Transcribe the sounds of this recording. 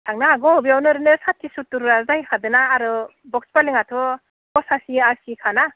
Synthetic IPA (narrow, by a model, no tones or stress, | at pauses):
tʰaŋnaːɡɔbiawnɯɾɯnɯsatʰːisutːuɾɾazajkʰadɯnaːɾɯ | bɔkspaliŋatʰɔ | kɔsasiasikʰana